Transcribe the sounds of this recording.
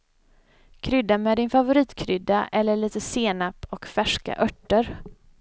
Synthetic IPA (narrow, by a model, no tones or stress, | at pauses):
kʰɾʏd̪amɛːd̪ɪnfavʊɾiːt̪kʰɾʏd̪ːaʔɛlːəɭiːt̪əseːnapːɔkfæʂka̰ʔœʈːəɾ